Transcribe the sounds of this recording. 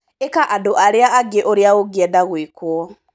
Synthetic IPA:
ekaʔadoʔaɾeaʔaɡeʔoɾjaoɡɛdaɣwekwɔ

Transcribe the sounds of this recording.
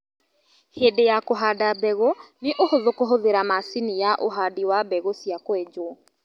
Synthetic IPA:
heːdejakoɦaːdabɛɣoneʔohoðokoɦoðeɾamasinijaʔoɦadiwabɛɣosiakoed͡ʒo

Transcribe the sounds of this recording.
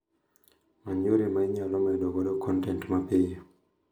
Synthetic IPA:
maɲoɾemaiɲalɔmedokodokʰɔntɛntmapɪɲ

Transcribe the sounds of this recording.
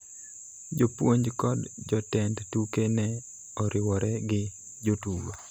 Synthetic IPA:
d͡ʒopwoɲd͡ʒkɔdd͡ʒɔtɛndtukenɛ | ɔɾɪwɔɾɛɡɪ | d͡ʒotuwo

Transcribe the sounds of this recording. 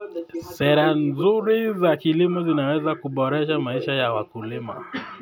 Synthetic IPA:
sɛɾanzuɾizakilimɔzinawɛzakuɓɔɾɛʃamaiʃajawakulima̰

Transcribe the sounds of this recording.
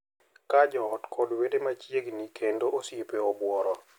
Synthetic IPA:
kad͡ʒɔːtkʰɔdwedemat͡ʃjeɡnikendoosjepeɔbwɔɾɔ

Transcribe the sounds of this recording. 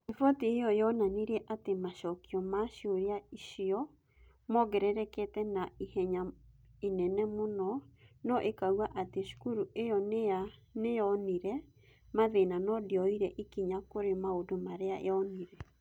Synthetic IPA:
efɔteejɔjɔnaneɾɛʔatemaʃɔkiɔmaʃoɾiaiʃiɔ | mɔɡɛɾɛɾɛkɛtɛnaihɛɲainɛnɛmonɔnɔʔekauaʔateʃu̥kuɾuejɔneanejɔniɾɛ | maðenanɔdiɔiɾɛʔikiɲakoɾemaodomaɾeaḛɔniɾɛ

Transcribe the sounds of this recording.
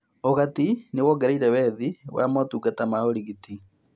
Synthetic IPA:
oɣatinewɔɡeɾaiɾɛβɛðiwa̰motuːɡatamaoɾiɣiti

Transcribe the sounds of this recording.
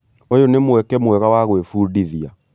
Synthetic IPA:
ojonemwɛkɛmwɛɣawaɣoefuːdiðia

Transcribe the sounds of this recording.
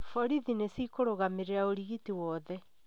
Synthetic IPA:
fɔɾiðinesikoɾoɣameɾeɾaoɾiɣitiwɔðɛ

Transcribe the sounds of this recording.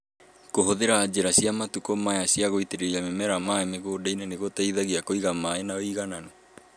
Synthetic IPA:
koɦoðeɾaːd͡ʑeɾaɕiamatukɔmajasiaɣoiteɾeɾiamemɛɾamaɛmeɣoːdainɛneɣotaiðaɣiakoiɣamaenaoiɣananɛ

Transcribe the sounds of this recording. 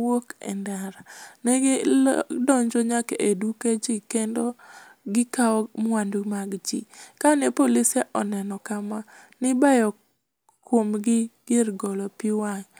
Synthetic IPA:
wokɛ̰ndaɾanɛɡedɔɲd͡ʒɔɲakeʔeduked͡ʒikendoɡɪkaɔmwandumaɡd͡ʒḭkanɛpolisɛʔɔnɛnɔkamanɪbajɔ | kwomɡɪɡɪrɡɔlɔpiwaŋ

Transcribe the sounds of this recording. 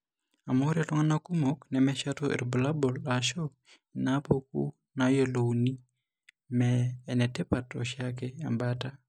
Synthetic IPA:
amoɾalɔŋanakumɔknɛmɛʃatoʔḭɾbulabɔlaʃo | inapokṵ | najoloni | mɛːnɛtɛpatɔ̰ʃakɛa̰mbata

